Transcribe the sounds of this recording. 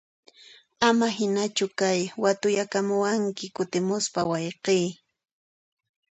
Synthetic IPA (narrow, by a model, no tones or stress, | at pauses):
amaɦɪnat͡ʃʊkajwat̪ʊjakamʊwaŋkɪkʊt̪ɪmʊspawɑjqiː